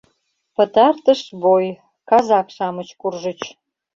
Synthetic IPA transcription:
pət̪ɑrt̪əʃboj | kɑzɑkʃɑmət͡ɕkurʒət͡ɕ

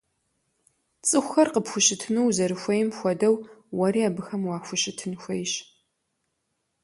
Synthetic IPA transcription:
t͡sʼɨxʷxɐrqəpxʷʊɕɪtʰɨnuwzɐɾɨxʷɐjɪmxʷɔdɐwwɐɾiaːbɨxɐmwaːxʷʊɕɪtʰɨnxʷɐjɕ

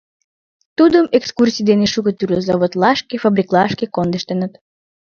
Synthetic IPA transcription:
t̪ud̪əmekskursʲijd̪eneʃukət̪yrlʲozɑβot̪lɑʃkefəbɾʲiklˠɑʃkekond̪əʃt̪enət̪

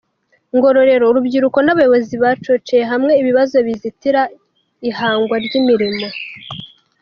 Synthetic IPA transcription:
ŋɡo̞ɾo̞ɾe̞ɾo̞uɾubɟiɾuko̞naβajo̞βo̞ziβat͡ʃot͡ʃejeɦamŋe̞iβiβazo̞βizitiɾa | ihaːŋɡwaɾɟimiɾimo

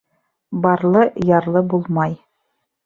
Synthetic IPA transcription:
bɑɾlˠɤjɑɾlˠɤbulˠmɑj

